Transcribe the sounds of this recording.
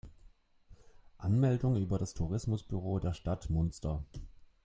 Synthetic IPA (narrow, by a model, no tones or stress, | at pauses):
ʔanmɛldʊŋyːbɐɾastʰuʁ̞ɪsmʊsb̥yʁ̞oːdeːɐʃtatmʊnstɐ